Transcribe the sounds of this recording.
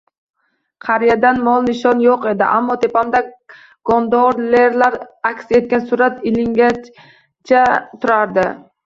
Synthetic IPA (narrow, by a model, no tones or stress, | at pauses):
qʰɑɾjad̪anmɒlˠnɪʃɒnjoqe̞d̪ɪ̰ʔamːɒt̪ʰe̞pamd̪a | ɡ̥ɒnd̪ɒɾleɾlaɾakʲse̞t̪̚kʲansʊɾat̪ɪlɪŋɡʲa | t͡ʃʰat̪ʰʊɾaɾd̪ɪ